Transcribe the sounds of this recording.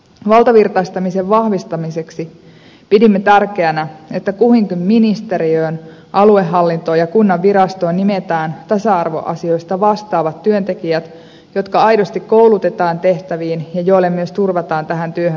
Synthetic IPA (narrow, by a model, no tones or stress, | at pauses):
ʋɑlˠt̪ɑʋirt̪ɑist̪ɑmiseʋʋɑhʋist̪ɑmise̞ksi | pidimːet̪ærke̞ænæe̞t̪ːækuhiŋkymːinist̪e̞ɾiøːn | ʔɑlueɦːɑlːint̪oːjɑkunːɑʋːiɾɑst̪o̞ːnnimet̪æːnt̪ɑsɑɑrʋo̞̰ʔɑ̰sio̞jst̪ɑʋɑst̪ɑːʋɑt̪ːyønt̪e̞kiæt̪ | jo̞t̪kɑɑjdo̞st̪ikko̞wlut̪e̞t̪ɑːnt̪e̞ht̪æʋiːnjɑjo̞ilːemːyøst̪urʋɑt̪ɑːnt̪æɦænt̪yøhøn